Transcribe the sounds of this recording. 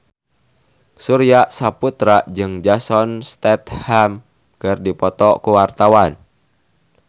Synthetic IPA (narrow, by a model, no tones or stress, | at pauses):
suɾiasaput̪ɾad͡ʒɨŋd͡ʒasɔnst̪ɛt̪ham | kɨrdipɔt̪ɔkuwart̪awan